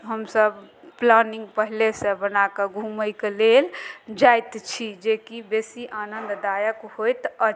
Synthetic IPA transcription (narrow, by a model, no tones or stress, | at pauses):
ɦəmsəb | planiŋɡpəɦilesə̃bənakeɡʱuməjkeleld͡ʒajt̪t͡ʃʰid͡ʒekibesiʔanənd̪d̪ajəkhojt̪ə